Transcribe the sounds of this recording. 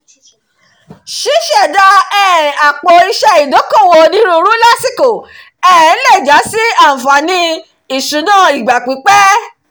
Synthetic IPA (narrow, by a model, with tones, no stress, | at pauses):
ʃi˨˦ʃɛ˦˨da˧ɛ˦˨ɾĩ˨a˨k͡po˨˧i˧ʃɛ˧i˨do˨˦ko˦˨wo˧nĩ˦ɾũ˧ɾu˦la˦si˦˨ko˨ | ɛ̃˦˨˦lɛ˦˨d͡ʒa˨˦si˦a˦˨fa˨nĩ˧˦ | i˦˨su˨˦nãː˦˨i˨ɡ͡ba˨k͡pi˨˦k͡pɛ˦